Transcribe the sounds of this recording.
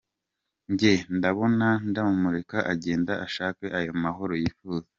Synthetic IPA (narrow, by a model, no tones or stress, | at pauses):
ɲɟe̞ndaβo̞nandamumuɾe̞kaʔaɟe̞ːndaʔaʃaːkeʔajo̞maɦo̞ɾo̞jiːfuːza